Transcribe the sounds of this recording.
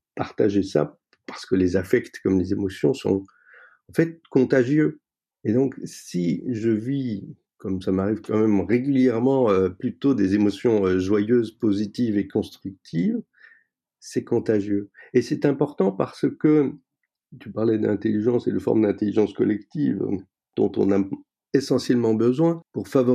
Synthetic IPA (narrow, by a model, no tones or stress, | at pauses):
paʁt̪aʒesa̰ | paʁsə̥kəlezafɛkt̪kɔmlezemɔsjɔ̰̃sɔ̰̃ | ɑ̃fɛt̪̚kɔ̃t̪aʒjø | ed̪ɔ̃ksiʒəvi | kɔmsamaʁivkɑ̃mɛmʁeɡʲyljɛʁmɑ̃øplyt̪od̪ezemɔsjɔ̃øʒwajøzpozit̪ivekɔ̃st̪χyk̚t̪ʰiv | sɛkɔ̃t̪aʒjøesɛt̪ɛ̃pɔʁt̪ɑ̃paʁsəkə | t̪ypaʁlɛd̪ɛ̰̃t̪eliʒɑ̃sḛləfɔ̰ʁmd̪ɛ̃t̪eliʒɑ̃skɔ̰lɛkt̪ḭv̰ | d̪̥ɔ̰̃t̪ɔ̰̃na | esɑ̃sjɛlmɑ̃bəzwɛ̃puʁfavɔ